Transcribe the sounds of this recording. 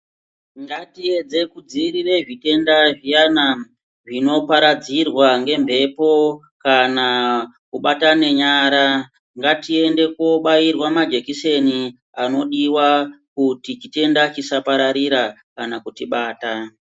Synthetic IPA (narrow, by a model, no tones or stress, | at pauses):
ŋɡatie̞d͡ze̞kud͡ziɾire̞ʐite̞ndaʐijana | ʐino̞paɾad͡zirwaŋɡe̞mbʱe̞po̞ | kanakuɓatane̞ɲaːɾa | ŋɡatie̞nde̞ko̞ɓairwamad͡ʒe̞kise̞ni | ano̞ɗiwakutit͡ʃite̞ndat͡ʃisapaɾaɾiɾa | kanakutiɓaːta